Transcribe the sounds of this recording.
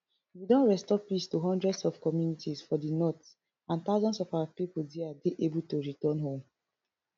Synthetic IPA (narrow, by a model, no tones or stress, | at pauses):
widɔ̃nɹɛstɔpistuɦɔ̃ndɹɛdsɔfkɔmjunitisfɔdinɔt | ãnt̪aʊzɔ̃nsɔfaapipuldiadeʔebultuɹitɔnɦõm